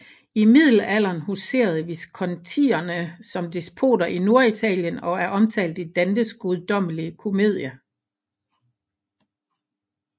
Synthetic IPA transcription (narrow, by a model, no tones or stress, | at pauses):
imið̞̰ˠl̩æl̰ɐnhuse̝̰ːɐð̞̩ˠʋiskʰɒ̽nt͡sʰḭːɐnəsɒ̽md̥isb̥ʰo̝̰ːdɐʔino̝ɐit͡sʰɛ̰ːljənɒ̽æɐʔɒ̽mt͡sʰɛ̰ːld̥id̥ænd̥əsɡ̥uðˠd̥ɒ̽m̰əliəkʰo̝me̝ð̞̰ˠjɐ